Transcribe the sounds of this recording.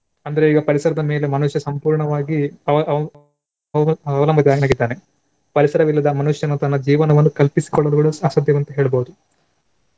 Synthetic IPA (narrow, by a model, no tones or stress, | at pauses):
ɐnd̪ɐɾeiːɡɐpɐɾisɐɾɐd̪ɐme̞ːle̞mɐnuʂjɐsɐmpuːɾɳɐʋaːɡiɐ | ɐʋɐlɐmbɐt̪iaːɡinaːɡid̪ːaːne | pɐɾisɐɾɐʋilːɐd̪ɐmɐnuʂjɐnːut̪ɐnːɐd͡ʒiːʋɐnɐʋɐnːukɐlpisi̥kɔɭːɐluɡuɽuɐsɐd̪jɐʋɐnt̪ɐɦeːɭɐbowud̪u